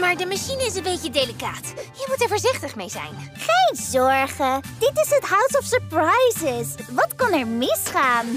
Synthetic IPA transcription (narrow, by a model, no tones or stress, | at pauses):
maːɹdəmaʃinəɪs̬ənbejcədelikaːtjəmutɛɹvɔːɹzɪχtəχmejzɛ̰jnχeːnzɔɹχəd̥ɪtɪsəthawsɔfsəɹprajzɪsvɔtkʊnɛɹmɪsχaːn